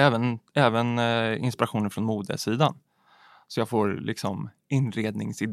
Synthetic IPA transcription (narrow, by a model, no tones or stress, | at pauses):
ɛːvənɛːvənɪ̰nspɪɾaɧuːnənfɾɔnmuːd̪ə̰siːd̪a̰n | sɔjɑːɡfoːɾlɪ̰ksɔm | ɪnɾeːd̪nɪŋsɪd̪